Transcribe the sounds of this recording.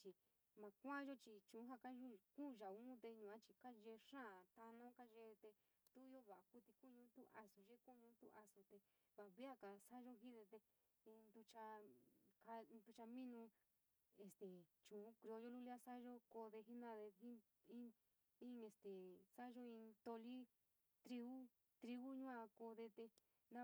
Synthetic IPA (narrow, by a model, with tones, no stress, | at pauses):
t͡ʃi˧ | mã˧kʷã˦ʒo˦t͡ʃi˧t͡ʃũ˨˦ɦa˦˧ka˦ʒu˦kũ˦˧ʒa˨ũ˦t̪e˧ɲũ˨ã˦t͡ʃi˧ka˦ʒe˧ʂã˦˨t̪a˧nã˦ka˦ʒe˧t̪e˧ | t̪u˦o˦βa˨ʔa˨ku˦t̪i˧ku˦ɲũ˧˦t̪u˦ʔa˧su˧ʒe˦ku˦˧ɲũ˧˦t̪ṵ˦ʔa˧su˧t̪e˧ | βa˨βi˦a˦ka˧˨sa˦ʒo˦ɦi˦ðe˧t̪e˧ | ĩ˧nd̪u˧t͡ʃa˧ka˧d̪u˧t͡ʃa˧mĩ˦nũ˧ | e˧st̪e˨t͡ʃũ˨˦kɾi˧o˧ʒo˦lu˦li˦a˦sa˦ʒo˦ko˧ðe˧ɦi˦nã˧ðe˧hi˦ | ĩ˦ | ĩ˦e˧st̪e˨sa˦ʒo˦ĩ˧t̪o˧li˦ | t̪ɾi˧βu˦ | t̪ɾi˧βu˦ɲũ˦ã˧ko˧ðe˧t̪e˧ | nã˦